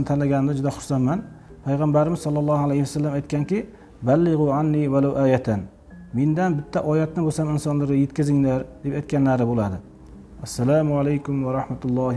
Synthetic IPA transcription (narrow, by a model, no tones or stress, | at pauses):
t̪ʰanlaɡʲanɪnd̪ad͡ʒʊd̪aχʊɾsanman | pʰajʁambaɾɪmɪzsɒlˠːɑlˠːɑhalejhɪwasːalːamajt̪̚kʲʰankʲɪ | balːɪʁʊʕanːiwalawʔaːjat̪ʰan | mend̪anbɪt̪ʰːaʔɒjat̪nɪbosamɪnsɒnlɪɾɪje̞t̪kʲɪzɪŋlaɾd̪̥e̞pajt̪kʲanlaɾɪbolad̪ɪ | asːalaːmʊalajkʰʊmwaɾɑħmat̪ʰʊlˠːɑːh